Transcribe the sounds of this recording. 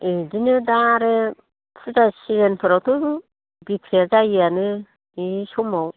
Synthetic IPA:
edinɯdaɾe | pʰɯzasiɾenpʰɯɾawtʰɯ | bikʰɾiazajianɯ | isɔmaw

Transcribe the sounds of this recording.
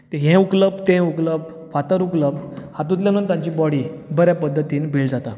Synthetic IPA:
t̪eɦɛ̃ukləb̚t̪ɛ̃ukləb̚ | fat̪əɾukləbhat̪̬ũt̪̬ljanunt̪ãɲt͡ɕiːbɔɽibəɾjapəd̪ʱːət̪iːnbʱild͡zat̪a

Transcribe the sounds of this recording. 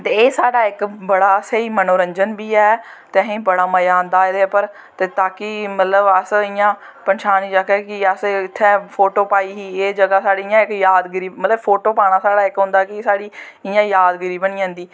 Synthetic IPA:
t̪eːeːsaːɖaːɪkbəɽaːəseːiːmənoːɾəɲd͡ʒənbiːɛː | t̪eɦẽːbəɽaːməjaːnd̪aːed̪eːpəɾ | t̪eːt̪aːkɪmət̪ləbəsɪjãː | pənʃaːniːd͡ʒaːkɛkɪəsɪt̪ʰːɛːpʰoːʈoːpaːiːɦiːeːd͡ʒəɡaːsaːɽɪjãːɪkjaːd̪ɡəɾiːbmət̪ləbpʰoːʈoːpaːɽ̃aːsaːɽaːɪkɦʊ̃nd̪aːkɪsaːɽiː | ɪjãːjaːd̪ɡəɾiːbəɳ̃iːãːnd̪iː

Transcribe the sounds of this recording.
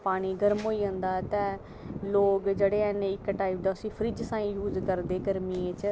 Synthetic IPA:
paːɽ̃iːɡəɾmɦoːiːɦə̃nd̪aːt̪ɛ̃ː | loːkd͡ʒeɽeːɛneɪkːʈaːɪp̚ɖaʊsĩːpʰɾiːd͡ʒsãːĩːjuːzkəɾd̪eːɡəɾmiːet͡ʃ

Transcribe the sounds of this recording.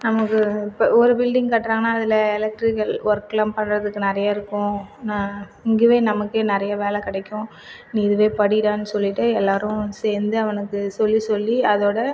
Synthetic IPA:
nɐmɐkːɯpːɐɔɾɯbɪlɖɪŋɡkɐːʈːɾãːŋɡɐnaːɐðɪlɐɛlɛk̚ʈɾɪkɐlʋɐɾklaːmpɐɳɾɐðɯkːɯnɛɾɐjaːɪɾɯkːʊ̃nãː | ɪŋɡɯʋeːnɐmɐkːeːnɪɾɐjɐʋeːlɛkɪɽɛkːʊ̃ | niːðɯʋeːpɐɽɪɽãːnːɯsɔlːɪʈːɯɛlːaːɾʊ̃seːɾnd̪ɯɐʋɐnɯkːɯsɔlːisɔlːiɐðoːɽɐ

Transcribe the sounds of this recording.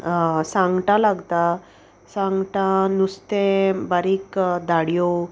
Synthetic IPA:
sãŋɡʈalaɡt̪a | sãŋɡʈãnust̪ẽbaɾikd̪ʱaɽjo

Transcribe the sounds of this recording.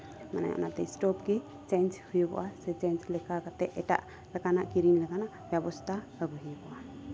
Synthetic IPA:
ma̰na̰jɔ̰nat̪ɛsʈɔpke | t͡ʃɛnt͡ʃhujbɔ̰ʔasɛt͡ʃɛnt͡ʃlɛkakat̪ɛʔʔɛʈa̰ʔ | lɛkanaʔkiɾinlɛkanaʔbjɛbɔst̪ʰa | əɡuɦibɔʔa

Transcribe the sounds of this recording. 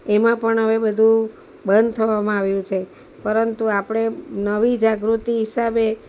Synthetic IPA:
emãpəɳɦəʋebəd̪ʱũ | bənd̪̚ʱt̪ʰəʋamãaʋjũt͡ʃʰe | pəɾənt̪uapɽ̃enəʋid͡ʒaɡɾut̪iɦisabe

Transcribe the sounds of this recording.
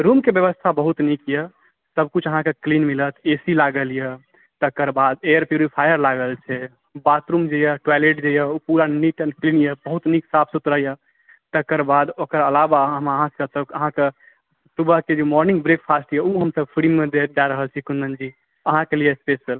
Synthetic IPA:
ɾumkebjəβəst̪ʰabəɦut̪nikjə | səb̚kut͡ʃʰəɦãkeklinmilət̪ʰesilaɡəlijə | t̪əkəɾbad̪ejəɾpjuɾipʰajəɾlaɡəlt͡ʃʰɛ | bat̪ɾumd͡ʒejəʈwaleʈ̚d͡ʒejəupuɾaniʈənklinjəbəɦut̪niksapʰsut̪ɾəɦjə | t̪əkəɾbad̪okəɾəlabaəməɦãkəsəkəɦãke | subəɦked͡ʒemɔɾnĩŋɡbɾek̚pʰasʈjɛuɦəmsəb̚pʰɾimːed̪ed͡ʒaɾəɦəlt͡ʃʰikunmənd͡ʒi | əɦãkelijespesəl

